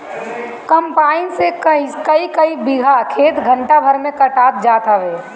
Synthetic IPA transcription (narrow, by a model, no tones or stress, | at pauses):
kəmpaːɪnsekəikəikəibɪɡʱakʰeːt̪ɡʱə̃ɳʈabʱəɾmẽkəʈaːt̪d͡ʒaːt̪əʋeː